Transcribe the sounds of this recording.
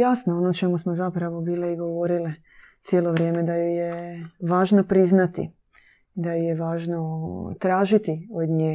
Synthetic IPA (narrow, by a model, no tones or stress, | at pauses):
jasnoonot͡ʃe̞musmozapɾaʋo̞biːliiɡo̞ʋo̞ɾili | t̪sjeːlo̞ʋɾjeme̞d̪ajujeʋaːʒnopɾiznat̪ḭ | d̪ajojeʋaːʒnot̪ɾaːʒit̪iod̪ɲeː